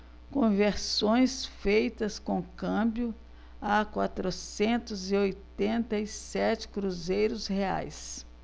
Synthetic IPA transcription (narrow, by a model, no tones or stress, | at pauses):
kõveɾsõj̃sfejt̪ɐskõkɐ̃bjʊ | akwat̪ɾʊsẽnt̪ʊzɪojt̪ẽnt̪ɐisɛt͡ʃɪ̥kɾuzejɾʊshea̰js